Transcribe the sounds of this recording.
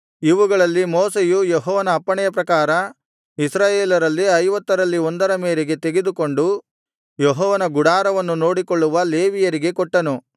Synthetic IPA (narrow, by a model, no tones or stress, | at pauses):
iʋuɡɐɭɐlːimɔːsejujeɦɔːʋɐnɐːpːɐɳɛjɐpɾɐkaːɾɐ | isɾaːjeːlɐɾɐlːiɐjʋɐt̪ːɐɾɐlːiond̪ɐɾɐmeːɾeɡe̞t̪e̞ɡed̪uko̞ɳɖu | jeɦɔːʋɐnɐɡuɽaːɾɐʋɐnːuno̞ːɽikoɭːuʋɐle̞ːʋijɐɾiɡe̞kɔʈːɐnu